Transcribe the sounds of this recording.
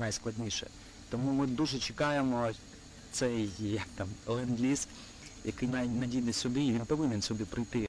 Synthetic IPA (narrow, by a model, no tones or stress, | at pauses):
najsklˠɐdʲnʲiʃɛ̰ | t̪ɔmumɪd̪uʒɛt͡ʃɪkɑjemɔ | t̪sɛjjɐk̚t̪ɑmlˠɪnɡlʲis | jɐkɪjnajnɐdʲid̪ɪsʲɔbʲiʋʲinpɔʋɪnʲɛnsʲɔbʲipɾɪjt̪ɪ